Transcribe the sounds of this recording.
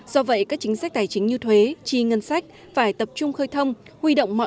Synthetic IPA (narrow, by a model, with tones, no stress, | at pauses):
z̥ɔ˧və̰˧˨jkaː˦˥k̚t͡ɕï˨˦ŋsa˦˥k̟̚t̪aː˨˩jt͡ɕï˨˦ŋ̟ɲɨ˧t̪ʰwe˨˦t͡ɕi˧ŋə˧nsa˦˥jk̟̚ | faː˧˩jt̪ə˨˩p̚t͡ɕʊ˧ŋ͡mxəː˧jt̪ʰə˧wŋ͡m | hwi˧ɗo̰˧˨wŋ͡mmɔ̰˧˨